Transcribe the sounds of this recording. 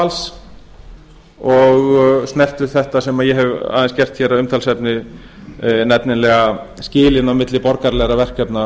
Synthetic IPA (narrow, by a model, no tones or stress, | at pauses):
als | ɔɣsnɛr̥t̪ʏ̥θɛht̪asɛmaðjɛɦɛva̰ːðɛnscɛr̥t̪çɛɾaʏmt̪ʰalsɛpnɪ | nɛt̪nɪnlɛːɣascɪːlɪnawmɪt̪lɪpɔɾkaɾlɛɣɾavɛr̥kɛpna